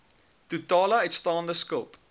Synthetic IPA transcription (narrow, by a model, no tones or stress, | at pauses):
tutɑːlɐətstɑːndəskəlˠt